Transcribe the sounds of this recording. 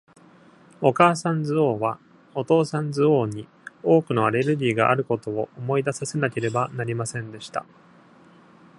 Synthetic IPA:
o̞kaːsãnd͡zɨo̞ːβa | o̞t̪o̞ːsãnzɨoːɲ̟i | o̞ːkɯ̟no̞aɾe̞ɾɯ̟ɾʲiːɡaʔa̰ɾɯ̟ko̞t̪o̞oʔomo̞id̪asase̞nake̞ɾe̞banaɾʲimasẽ̞nd̪e̞ɕi̥t̪a̰

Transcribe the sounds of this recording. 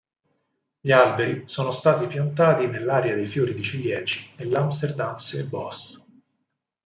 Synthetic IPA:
ʎialbeɾisoːnost̪aːt̪ipjant̪aːt̪inelːaːɾead̪ejfjoːɾid̪it͡ʃilːjɛːd͡ʒinelːamst̪erd̪amsebɔs

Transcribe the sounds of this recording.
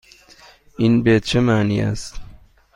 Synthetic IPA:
ʔinbet͡ʃʰemæːniːæ̰st̪

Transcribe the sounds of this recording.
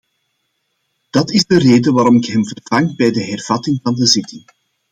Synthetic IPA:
d̥ɑtɪzdəreːdəʋaːɾɔmɪkɦɛmvərv̥ɑŋbɛjdəɦɛrv̥ɑtɪŋvɑndəzɪtɪŋ

